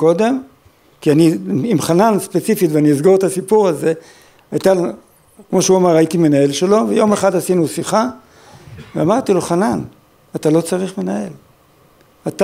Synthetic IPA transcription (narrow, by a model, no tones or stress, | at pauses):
ko̞d̪e̞m | kianiimχananspe̞t͡sifitveaniizɡoʁet̪asipuʁaze̞ | ajt̪a | kmo̞ʃeuamaʁait̪ime̞nae̞lʃe̞lo̞vejo̞meχadasinusiχa | veamaʁt̪ilo̞χanan | at̪alo̞t͡saʁiχme̞nae̞l | at̪a